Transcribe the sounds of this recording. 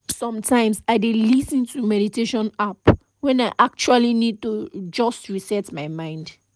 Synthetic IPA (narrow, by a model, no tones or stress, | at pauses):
sɔ̃mtʰãɪ̃msaɪdelisĩntumɛɾitʰeʃɔ̃nap | wɛ̃naɪʔak̚t͡ʃualinid̚tud͡ʒɔstɹisɛtmaɪmãɪ̃nd